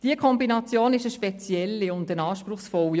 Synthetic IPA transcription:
d̥iəkʰɔmbinɑt͡sjoːnɪʃəʃpɛt͡sjɛlːiʊndənɑːʃpɾʊχsfɔl

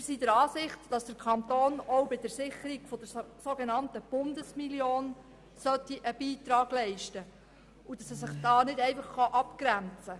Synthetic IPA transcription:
sidəɾɑːsɪχtd̥ɑsd̥əɾkʰɑnt̪oːnɔwbɪd̥əɾsɪχəɾiɡ̥fɔd̥əɾsoɡenɑntəb̥ʊndəsmiljoːn | sœt̪ːiʔəb̥iːt̪ɾɑːɡ̥lɛɪʃtə | udɑsɛs̬ɪχd̥ɑːnɪdɛɪfɑχχɑʔɑpkɾænt͡sə

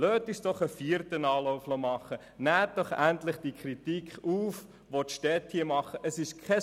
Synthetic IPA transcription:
løːt̪ɪʃd̥ɔχəfiəɾtənɑːlɔʊflomɑχə | næːt̚d̥ɔχæntlɪχd̥ikʰɾitikχuːf | ʋot̪ʃtɛthiəmɑχəʔəsɪʃkʰɛ

